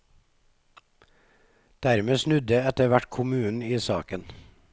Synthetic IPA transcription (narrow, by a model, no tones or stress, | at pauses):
d̪̥æɾmeːsnʉd̪əɛt̪əʋæʈkʰʊmʉːn̩iːsɑːkən